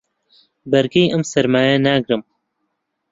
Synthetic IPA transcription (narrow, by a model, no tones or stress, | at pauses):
bɐɾɡejɨmsɐɾmaːjɛnaːɡɾɨm